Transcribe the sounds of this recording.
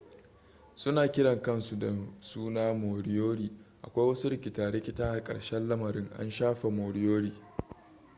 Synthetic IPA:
sʊ˦naː˨kʲɪ˦ɽɐ˨ŋkɐ˦nsu˨da˨suː˦naː˦moː˨ɽɪ˦joː˦ɽiː˨ʔa˨kʷa˦wɐ˦su˦ɽɪ˨kʲɪ˨taː˨ɽɪ˦kʲɪ˦taː˦ʔa˨kʼɐ̰˨ɽʃɛ˦nlɐ˦mɐ˨ɾɪ˦ŋʔa̰˦nʃaː˦ɸa˨moː˨ɽɪ˦joː˦ɽiː˦

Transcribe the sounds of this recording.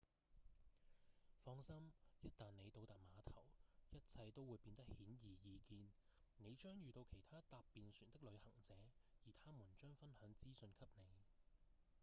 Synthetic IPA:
fɔː˧ŋsɐ˥mjɐ˥t̚t̪aː˨ne˨˧jt̪o˨˧wt̪aː˨˩n̚maː˨˧t̪ʰɐ˨˩wjɐ˥t̚t͡sʰɐ˧jt̪o˥wuː˨˧jpiː˧nt̪ɐ˥k̚hiː˨˥njiː˨jiː˨kiː˧n | ne˨˧jt͡ʃœː˥ŋjyː˨t̪o˧wkʰe˨˩jt̪ʰaː˥t̪aː˧pːiː˨nsyː˨˩nt̪ɪ˥k̚lɵ˨˧ɥhɐ˨˩ŋt͡sɛː˨˥jiː˨˩t̪ʰaː˥muː˨˩nt͡ʃœː˥ŋfɐ˥nhœː˨˥ŋt͡siː˥sɵ˧nkʰɐ˥p̚ne˨˧j

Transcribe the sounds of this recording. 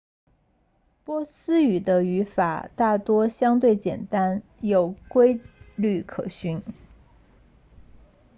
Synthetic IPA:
pwɔ˥sɹ̩˥y˨˩d̪ə˦y˧˥fa̰˨˩t̪a˥˩t̪wɔ˥ɕjɑ˥ŋt̪̬we˥˩ɪt͡ɕjɛ˨˩nt̪a˥njo˨˩ʊkwe˥ɪly˥˩kʰɤ̰˨˩ɕy˥n

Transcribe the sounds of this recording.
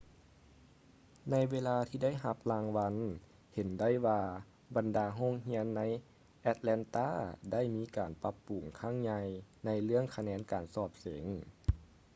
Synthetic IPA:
na˧˥jʋeː˧laː˧t̪ʰiː˧da˥˩jɦa˧p̚laː˧ŋʋa˧n | he˨˦nda˥˩jʋaː˧ | ba˨ndaː˨˧ɦoː˥˨ŋɦi˧˥ənːa˧˥j | ʔɛ˧t̪̚lɛː˧nt̪aː˥˩˨da˥˩˨jmiː˧˥kaː˨˩npa˧˥pːu˨˩ŋkʰaː˥˩ŋɲa˧jna˧jlɯ˥˩əŋkʰa˧nɛː˧˥nkaː˨nsɔː˧˩p̚seː˩˦ŋ

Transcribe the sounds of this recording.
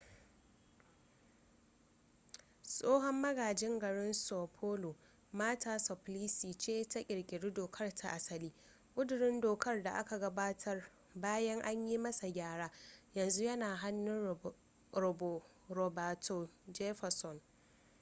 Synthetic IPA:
sʼoː˦ɦɔ˦mːɐ˦ɡaː˨d͡ʒɪ˦ŋɡɐ˨ɽɪ˦nsoː˨pʰoː˦loː˨ | maː˦tʰaː˦sɐ˨pliː˦siː˨t͡ʃeː˦tʰa˦kʲʼɪ˨ɽkʲʼɪ˨ɽɪ˦doː˨kʰɐ˦rtʰa̰˨ʔa˦sɐ˨liː˦ | ʔʷʼʊ˦dʊ˨ɾɪ˦ndoː˨kʰɐ˦rda̰˨ʔa˦ka˨ɡɐ˦baː˦tʰɐ˦r | baː˦jɐ˦ŋʔa˦ɲji˦mɐ˦sa˨ɡʲaː˦ɽaː˦jɐ˨nzu˦jɐ˦naː˨ɦa˦nːʊ˦ | ɾɔ˨bo˨ | ɾɔ˨baː˨tʰo˨d͡ʒeː˦ɸɐ˨sɔ˨n

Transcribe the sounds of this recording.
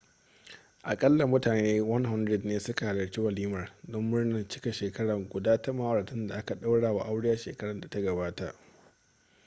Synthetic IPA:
ʔa˨kʼɐ˦lːa˨mʊ˦taː˨neː˦wɐ˦nɦɔ˦ndɾɪ˦dneː˦sʊ˦ka˨ha˨lɐ˨t͡ʃi˦wɐ˨liː˦mɐ˨rdɔ˦mːʊ˦rnɐ˨nt͡ʃɪ̥˦ka˨ʃeː˨kɐ˦ɽɐ˨ŋɡʷʊ˨daː˦ta˦ma˦˨wa˨ɾa˨tʊ˦nda˨ʔa˦ka˨ɗa˦wɽaː˨wa̰˨ʔa˦wɽɪ˦a˦ʃḛː˨kɐ˦ɽɐ˨nda˨ta˦ɡɐ˨baː˦ta˨ʔ

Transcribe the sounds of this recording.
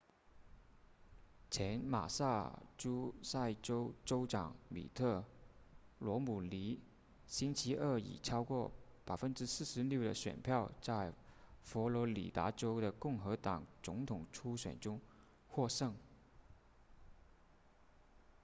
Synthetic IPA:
t͡ɕʰjɛ˧˥nma̰˨˩sa˥˩ʈ͡ʂu˥sa˥˩ɪʈ͡ʂo˥ʊʈ͡ʂo˥ʊʈ͡ʂɑ˨˩˦ŋmḭ˨˩t̪ʰɤ˥˩ | lwɔ˧˥mu˨˩li˧˥ | ɕi˥nt͡ɕʰi˧˥ə˞˥˩ḭ˨˩ʈ͡ʂʰɑ˥ʊkwɔ˥˩pa˨˩ɪfə˥nʈ͡ʂɻ̩˥sɹ̩˥˩ʂɻ̩˧˥ljo˥˩ʊd̪ə̰˩ɕɥɛ̰˨˩npʰjɑ˥˧ʊt͡sa˥˩ɪfɔ˧˥lɔ˧˥lḭ˨˩t̪a̰˧˥ʈ͡ʂo˥ʊd̪ə˨kʊ˥˩ŋxɤ˧˥t̪ɑ˨˩ŋt͡sʊ˧˥ŋt̪ʰʊ˨˩ŋʈ͡ʂʰu˥ɕɥɛ̰˨˩nt͡sʊ˥ŋ | xwɔ˥˧ʂɤ˥˩ŋ

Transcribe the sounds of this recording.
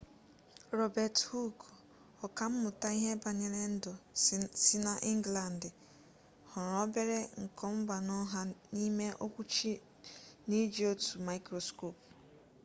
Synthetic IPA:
ɾɔ˨bɛ˨thu˦˨ɡ | ɔ˨ka˨m̩˦mʊ˨ta˦i˦ɦe˦ba˨ɲe˨ɾe˦n̩˦dʊ˨si˦na˦ʔi˦ŋɡla˨n˨dɪ˨ | hʊ˨ɾɔ˦be˦ɾe˦ŋ̩˨kʰɔ˦m̩˦ba˨nɔ˦ɦa˦ni˦me˦ʔo˦kʷu˦t͡ʃi˦ | ni˦d͡ʒi˨o˦tu˨ma˦i˦kɾo˨sko˨p

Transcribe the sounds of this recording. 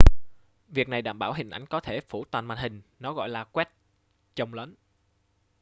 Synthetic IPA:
vi˨˩ək̚na˨˩jɗaː˧˨mɓaː˧˩wɦï˨˩ŋ̟ʔa̰˧˩jŋ̟kɔ˨˦t̪ʰe˧˩fu˧˩t̪waː˨˩nma̰ː˨nhï˨˩ŋ̟nɔ˨˦ɣɔ̰˧˨jlaː˨˩kwɛ˦˥t̚ | t͡ɕə˧wŋ͡mləː˨˦n

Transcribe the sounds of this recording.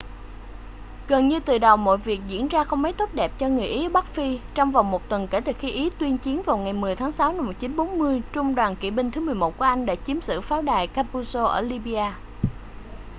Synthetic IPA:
ɣə˨˩nɲɨ˧t̪ɨ˨˩ɗə˨˩wmo̰˧˨jvi˨˩ək̚zḭ˧˥ənzaː˧xə˧wŋ͡mmə˨˦jt̪o˦˥t̚ɗɛ˨˩p̚t͡ɕɔ˧ŋɨ˨˩əjʔi˨˦˧ɓa˦˥k̚fi˧t͡ɕɔ˧wŋ͡mva˨˩wmo˨˩t̚t̪wə˨˩nke˧˩t̪ʰɨ˨˩xi˧ʔi˨˦t̪wi˧ənt͡ɕi˨˦ənvaː˨˩wŋa˨˩jmɨ˨˩əjt̪ʰaː˨˦ŋsaː˨˦wna˧m̚ː˨˩t͡ɕi˨˦nɓo˨˦nmɨ˧əjt͡ɕʊ˧ŋ͡mɗwaː˨˩nkḭ˧˩ɓï˧ŋt̪ʰɨ˨˦mɨ˨˩əjmo˨˩t̚ku˧˩ʔa˧jŋ̟ɗa̰ː˧˥t͡ɕi˨˦əmsɨ̰˧˨faː˨˦wɗaː˨˩jka˧pu˧so˧ʔəː˧˩li˧ɓi˧aː˧

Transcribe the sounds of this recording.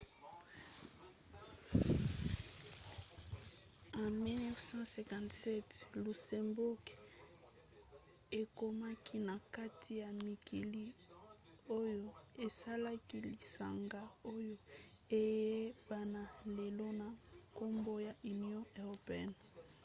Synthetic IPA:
ã˨mi˦lnɛ˦fsɑ̃˦sɛ̃˨kɑ̃˨ntsɛ˦tlu˨sɛ˨mbu˦ɡ | e˨ko˨ma˦kʰi˦na˨ka˦tʰi˦ja˨mi˨kʰi˨li˦ | o˦jo˦e˨sa˦la˦ki˦li˨sa̰˨ŋɡa˦o˦jo˦ | e˨je˦b̥a˦na˨le˨lo˦na˨ko˦mbo˦ja˨ʔi˨njɔ̃˦ʔe˨ʁo˨pɛ˦˨n

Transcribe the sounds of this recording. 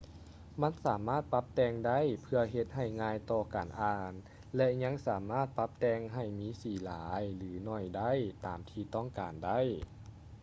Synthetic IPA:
ma˧˥˨nsaː˩˦maː˥˩t̪̚pa˧˥p̚t̪ɛː˧ŋda˥˩jpʰɯ˧ɐɦe˧˥t̪̚ha˧˩jŋaː˧jt̪ɔː˧kaː˨˩nʔaː˧n | lɛ˧˥ɲa˧˥ŋsaː˨˩˦maː˥˩t̪̚pa˧˥p̚t̪ɛː˧ŋɦa˧˨˩jmiː˧˥siː˨˩laː˩˦jlɯː˩˦nɔ˧˩jda˥˩jt̪aː˨˩mt̪ʰiː˧˩t̪ɔ˥˩ŋkaː˨˩nda˥˩˨j

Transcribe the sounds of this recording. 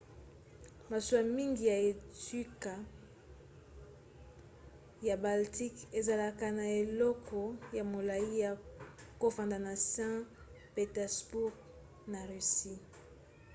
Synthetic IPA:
ma˨su˨a˨mi˦ŋɡi˨ja˨e˨ti˦ka˨ | ja˨ba˨lti˦ke˨za˨la˦ka˦na˨e˨lɔ˦kʰɔ˨ja˨mo˨la˨i˦ja˨ko˦fã˨nda˨na˨sɛ̃˦ | pe˨tɛ˨spu˦ʁ | na˨ʁy˨si˦

